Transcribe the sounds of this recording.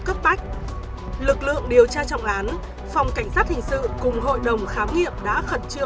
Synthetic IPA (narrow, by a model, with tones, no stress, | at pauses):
kə˦˥p̚ɓa˦˥jk̟̚ | lɨ˨˩k̚lɨ̰˧˨əŋɗi˨˩əwt͡ɕaː˧t͡ɕɔ̰˧˨wŋ͡mʔaː˨˦n | fa˨˩wŋ͡mka˧˩jŋ̟saː˦˥t̚hï˨˩ŋ̟sɨ̰˧˨kʊ˨˩ŋ͡mɦo̰˧˨jɗə˨˩wŋ͡mxaː˨˦mŋḭ˧˨əmɗa̰ː˧˥xə˨˩t̚t͡ɕɨ˧˨